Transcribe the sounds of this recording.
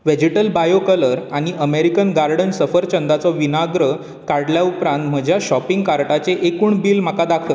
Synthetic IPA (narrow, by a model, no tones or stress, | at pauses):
ʋed͡ʑeʈəlbajokələɾaɽ̃iʔəmeɾikənɡaɾɖənsəfəɾt͡ɕənd̪at͡sɔʋinaɡɾə | kaɽljaupɾãnt̪m̤əd͡ʑʱjaɕɔpiŋɡkaɾʈat͡seʔekuːɳbiːlm̤akad̪akʰt̪ə